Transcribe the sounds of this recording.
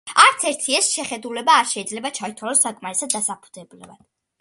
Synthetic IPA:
aɾt̪sʰɛɾt̪ʰiɛsʃɛχɛd̪ulɛbaːɾʃɛid̪zlɛbat͡ʃʰait̪ʰwalɔsːakʼmaɾɛsad̪ːasapʰu̥d̪ɛblɛva̰d̪̥

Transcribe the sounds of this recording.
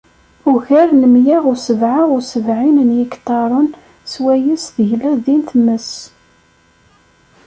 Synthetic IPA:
ʊʝæɾnəmjiʁʊsəvʕaʁʊsəvʕinənjəkt̪ˤːɑɾˤʊn | swæjəsθəʝlæðinθməs

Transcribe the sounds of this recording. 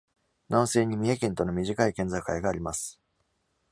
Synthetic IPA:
nãñse̞ːɲ̟imʲie̞kẽ̞nt̪o̞no̞mʲiʑikaikẽ̞nd͡zakɯaiɡaːɾʲimasɨ̥

